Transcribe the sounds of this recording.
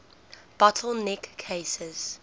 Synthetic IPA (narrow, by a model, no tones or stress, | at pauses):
b̥ɔtʰəl̩ˠnɛkʰːeːsɪz̥